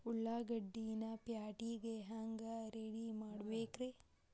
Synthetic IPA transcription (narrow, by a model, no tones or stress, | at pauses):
uɭːaːɡɐɖːinɐpjaːʈiːɡeɦaːŋɡɐɾeːɽimaːɽbeːkɾe